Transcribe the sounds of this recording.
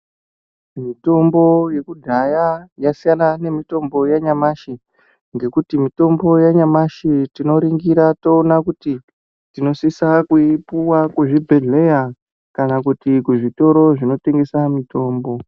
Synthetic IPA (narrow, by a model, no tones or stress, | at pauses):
mito̞mbo̞je̞kudʱajajasijanane̞mito̞mbo̞jaɲamaʃi | ŋɡe̞kutimito̞mbo̞jaɲamaʃitino̞ɾiŋɡiɾato̞ːnakuti | tino̞sisakuipuwakuʐibʱe̞ɮe̞ja | kanakutikuʐito̞ɾo̞ʐino̞te̞ŋɡe̞samito̞ːmbo̞